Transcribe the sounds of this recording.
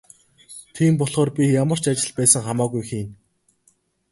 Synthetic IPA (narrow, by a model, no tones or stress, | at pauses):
t̪ʰiːmpɔɮχɔːrpʲijamə̆r̥t͡ɕat͡ɕɪ̆ɮpæːsə̆ŋχamaːɣujxiːn